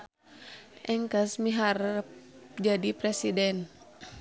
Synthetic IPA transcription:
ʔɛŋkəsmiɦar | d͡ʒadipɾɛsidɛn

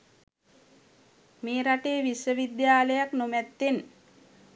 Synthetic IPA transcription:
meːɾaʈeːʋisʋəʋid̪jaːləjaknomɛt̪ːen

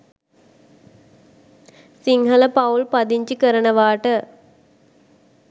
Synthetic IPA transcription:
siŋɦələpaulpad̪iɲt͡ʃikəɾənəʋaːʈə

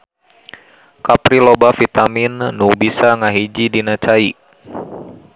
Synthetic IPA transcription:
kapɾilobafit̪aminːubisaŋaɦid͡ʒidinat͡ʃai

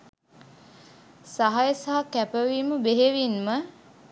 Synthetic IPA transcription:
saɦajəsaɦakæpəʋiːməbeɦeʋinmə

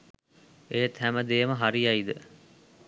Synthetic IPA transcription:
ejət̪ɦæməd̪eːməɦaɾijɐid̪ə

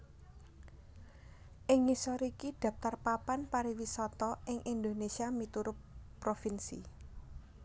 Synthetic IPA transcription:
ʔɪŋːisɔɾikid̪̥ä̤p̚t̪arpapanpaɾiwisɔt̪ɔʔɪŋʔind̪o̤nesiamit̪uɾʊpː | ɾofinsḭ

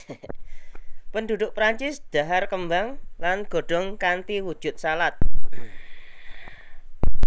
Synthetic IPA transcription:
pənd̪ud̪ʊʔpɾaɲt͡ʃɪsd̪̥a̤ɦarkəmbaŋlanɡ̥o̤ɖ̥ɔ̤ŋkant̪iwu̥ʒ̥ʊ̤t̪̚salat̪̚

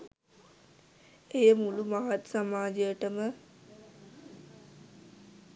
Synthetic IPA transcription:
ejəmulumaɦat̪samaːd͡ʒəjəʈəmə

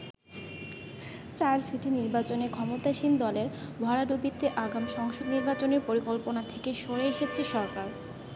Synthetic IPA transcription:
t͡ɕaɾsiʈʰiniɾbat͡ɕonekʰɔmot̪aʃind̪ɔleɾbʱaɾaɖobit̪eʔaɡamʃɔŋʃoɡniɾbat͡ɕoneɾpoɾikolponat̪ʰekeʃoɽeeʃet͡ɕʰiʃɔɾkaɾ

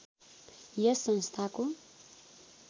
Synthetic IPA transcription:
jʌsʌnst̪ʰaku

